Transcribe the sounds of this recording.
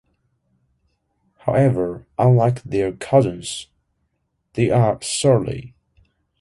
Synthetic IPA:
haʊɛvə˞ʔə̃nlaɪkðɛɹkʰʌzə̃nz̥ | ðeɪʔəsɜɹlḭ

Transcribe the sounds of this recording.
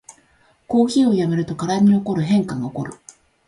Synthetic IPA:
ko̞ːçiːo̞jame̞ɾɯ̟t̪o̞kaɾaɲ̟ioko̞ɾɯ̟ɦẽ̞ŋkaŋaoko̞ɾɯ̟

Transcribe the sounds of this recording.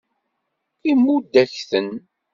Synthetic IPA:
imːud̪ːæçθən

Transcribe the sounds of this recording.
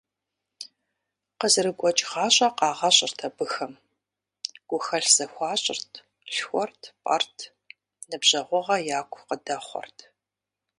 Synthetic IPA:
qəzɨrɨɡʷʼɔt͡ʃʼʁɑːɕʼɐqɑːʁɐɕʼɪrtʰɐbɨxɐm | ɡ̥ʷʊxɐɬz̥ɐxʷɑːɕʼɪrtʰ | ɬxʷɔrtʰpʼa̰rtʰ | nɨbʑɐʁʷɔʁɐjaːkʷʰʼqədɐχʷɔ̰rtʰ

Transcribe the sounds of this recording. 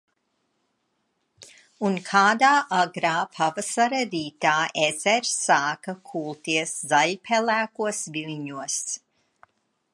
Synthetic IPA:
unkʰaːd̪aːʔaɡɾaːpʰavasaɾaɾiːt̪aːʔez̥ɛɾsaːkɐkʰuːlˠt̪iɛəszaʎʲpʲʰɛlæːkuɔsvilʲɲuɔs

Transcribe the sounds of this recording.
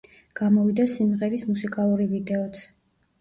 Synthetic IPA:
ɡ̥amɔvid̪asimʁɛɾismusikʼalˠuɾivid̪ɛɔt̪sʰ

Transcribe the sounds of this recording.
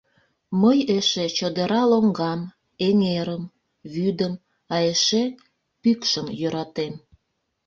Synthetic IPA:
məjeʃet͡ɕəd̪əɾɑloŋɡɑm | eŋeɾəm | βyd̪əm | ɑeʃe | pykʃəmjøɾɑt̪em

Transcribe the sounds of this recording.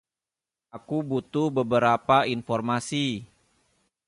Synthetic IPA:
akubut̪ʊhbəbəɾapainfɔrmasi

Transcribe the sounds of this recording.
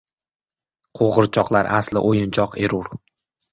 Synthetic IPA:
qʰoʁɨɾt͡ʃʰɒqlˠaɾaslɪ̰ʔojɪnt͡ʃʰɒqʰe̞ɾuɾ

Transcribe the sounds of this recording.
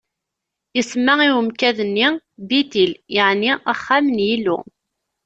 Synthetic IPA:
jəsmːaiwəmkæðənːibit̪iljəʕniaχːamənjilṵ

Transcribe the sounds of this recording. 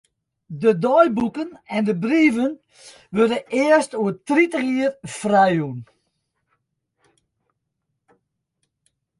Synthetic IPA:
dədɔjbukənɛndəbriːvən | ʋødəɪəstuətritəχiərfrɛjun

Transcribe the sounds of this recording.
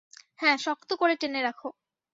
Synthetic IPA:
hɛ̃ʃɔkt̪okoɾeʈeneɾakʰo

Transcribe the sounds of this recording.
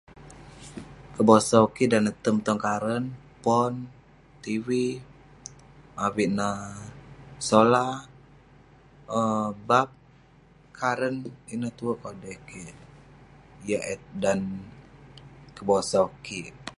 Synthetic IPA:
kəbosaukiʔdanət̪əmt̪ɔŋkaɾən | pɔn | t̪iwi | awiʔnə | sola | əbap̚ | kʰaɾəninət̪uəʔkɔlbekiʔ | jaʔɛt̪̚dan | kəbosaukiʔ

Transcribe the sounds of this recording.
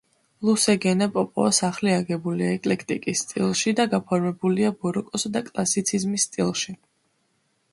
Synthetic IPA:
lˠusɛɡɛnapʼɔpʼɔ̰asaχliaɡɛbuliaɛkʼlɛkʰt̪ʼikʼisːt̪ʼḭlˠʃid̪aɡapʰɔɾmɛbuliabɔɾɔkʼɔsad̪akʼlˠasit̪sʰizmisːt̪ʼḭlˠʃi

